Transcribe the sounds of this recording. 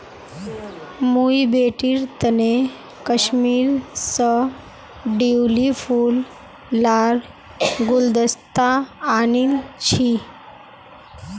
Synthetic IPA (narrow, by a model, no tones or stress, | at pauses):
mujbeʈiːɾt̪əne | kəɕmiːɾsə | ɖiwliful | laɾ | ɡuld̪əst̪aːnilt͡ɕi